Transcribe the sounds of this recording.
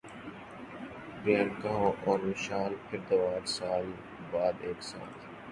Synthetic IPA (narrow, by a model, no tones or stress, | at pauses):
beːnkɐɦõʔɔːɾmɪʃaːlɪɾd̪ɐʋaːɾsaːl | baːd̪eːksa̰ːt̪